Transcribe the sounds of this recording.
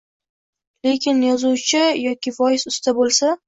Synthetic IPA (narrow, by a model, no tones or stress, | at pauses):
le̞kʲɪnjɒzuwt͡ʃʰɪjɒkʲɪvɒjɪsʊst̪ʰabolˠsa